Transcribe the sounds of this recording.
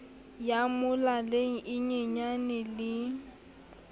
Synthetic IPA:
jamʊlaleŋ̩ʔɪɲeɲanɪlɪ

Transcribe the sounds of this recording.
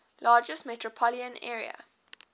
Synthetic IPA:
lʔɑːd͡ʒəsmɛtʰɹəpʰɔliə̃nɛːɹiə̰

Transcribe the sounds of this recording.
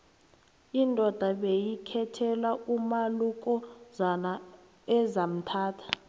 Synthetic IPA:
indʱɔd̥ʱaɓejikʰɛtʰɛlaumaluk̬ʼɔzana | ɛzam̩tʰaːtʰḁ

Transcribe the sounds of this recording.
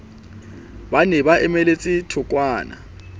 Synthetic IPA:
banɛβaʔɛmɛlet͡sʼitʰʊkʼwaːna̰

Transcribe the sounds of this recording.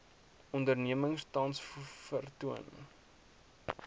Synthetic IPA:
ɔndərniəməŋstɐnsfərtuən

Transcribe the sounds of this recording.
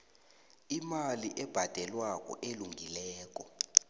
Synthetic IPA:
imaliʔɛb̥ʱad̥ʱɛlwakʼɔ̰ʔeluŋɡilɛːk̬ʼɔ

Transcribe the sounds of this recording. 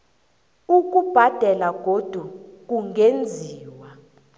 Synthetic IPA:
uk̬ʼub̥ʱad̥ʱɛlaɡ̥ʱod̥ʱuk̬uŋend͡zʱiːwa

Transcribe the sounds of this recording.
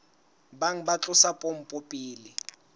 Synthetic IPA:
baŋ̩bat͡ɬʼʊsapʼom̩pʼʊpʼiːli

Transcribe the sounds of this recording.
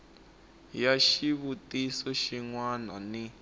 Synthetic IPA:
jaʃiβutisɔʃiŋwanani

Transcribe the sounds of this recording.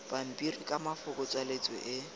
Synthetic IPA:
b̥am̩pʼirikʼamafʊkʊt͡sʼalet͡sʼwɛ̰ʔɪ

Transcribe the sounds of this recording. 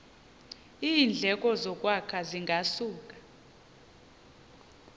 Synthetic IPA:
iːnd͡ɮʱɛk̬ʼɔzɔk̬ʼwakʰaziŋɡʱasuːk̬ʼḁ

